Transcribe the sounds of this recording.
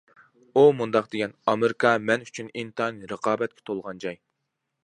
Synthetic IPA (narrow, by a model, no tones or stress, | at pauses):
umund̪ɑqd̪eɡʲɛnɑmeɾikʰɑmɛnyt͡ʃʰynint̪ʰɑnɨɾəqʰɑːbɛt̪̚kʲʰɛ̥t̪ʰolˠʁɑnd͡ʒɑj